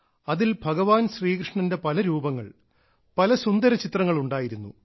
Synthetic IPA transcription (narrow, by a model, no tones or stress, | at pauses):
ɐðilbʱɐɡɐʋaːnɕriːkrɨʂɳɐnde̞pɐlɐɾuːbɐŋːɐ̰ɭ | pɐlɐsund̪ɐɾɐt͡ɕit̪rɐŋːɐɭuɳɖaːjiɾunːṵ